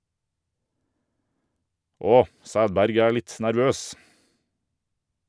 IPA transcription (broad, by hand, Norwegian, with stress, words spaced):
ˈɔ ˈsæːdˌbæɾɡ ˈæː ˈlɪt næɾˈʋøːs